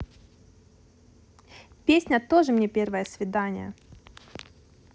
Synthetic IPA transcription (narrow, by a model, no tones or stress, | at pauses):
pʲesʲnʲət̪oʐɨmnʲepʲervəjəsvʲɪd̪anʲɪ̰jə̰